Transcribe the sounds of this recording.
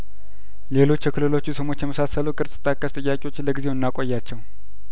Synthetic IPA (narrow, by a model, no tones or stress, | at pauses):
le̞lo̞t͡ʃːjɛkʰɨlɨlo̞t͡ʃːusəmo̞t͡ʃːjɛməsasəlukʼɨɾsʼɨ̥t̪ʼːakʼːəst̪ʼɨjːakʼewo̞t͡ʃːləɡizewnɨnːakʼojːat͡ʃːɛw